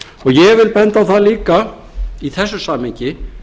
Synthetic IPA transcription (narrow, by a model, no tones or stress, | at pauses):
ɔɣjɛɣvɪlpɛnt̪aθaðliːka | iθɛsːʏsaːmɛɲcɪ